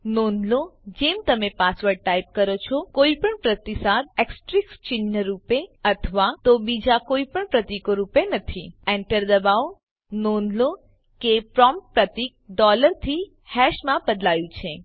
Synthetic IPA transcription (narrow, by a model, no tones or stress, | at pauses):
nonlod͡ʒemt̪əmepasʋəɖ̚ʈajp̚kəɾot͡ʃʰɔkoipəɳpɾət̪isad̪̚eksʈɾikst͡ʃɪnːəɾupeət̪ʰəʋat̪obid͡ʒakoipəɳpɾət̪ikoɾupenət̪ʰiɛɳʈəɾd̪əbaʋo | nonlo | kepɾɔmppɾət̪ik̚ɖɔləɾt̪ʰi | hɛʃmãbəd̪lajũt͡ʃʰe